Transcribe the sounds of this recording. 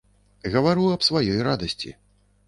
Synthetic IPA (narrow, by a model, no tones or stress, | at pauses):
ɣɐvaɾuɐpsvajɔjrad̪ɐsʲt͡sʲḭ